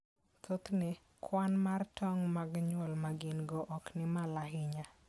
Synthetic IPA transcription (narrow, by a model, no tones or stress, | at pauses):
t̪ʰot̪nɪ | kʰwanmartʰɔŋmaɡɲwɔlmaɡɪnɡɔʔɔknɪmalaɦɪɲa